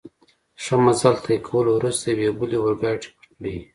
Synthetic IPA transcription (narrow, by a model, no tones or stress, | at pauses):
ʃamazalt̪ʰaekʰawəlowɾust̪awebuliwaɾɡɑjʈi̥pḁʈɽi